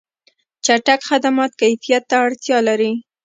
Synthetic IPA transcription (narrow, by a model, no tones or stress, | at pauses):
t͡ʃaʈakxad̪amɑt̪kajfijat̪ːaːɽt̪jɑlaɾi